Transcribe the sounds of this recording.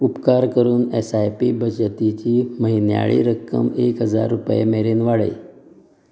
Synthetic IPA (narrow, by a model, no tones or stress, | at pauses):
upkaɾkəɾuːnesajpibəd͡ʑət̪it͡ɕiːməɦinja̰ɭḭːɾəkːə̰mekɦəd͡za̰ɾːupjḛmeɾenʋaɽḛj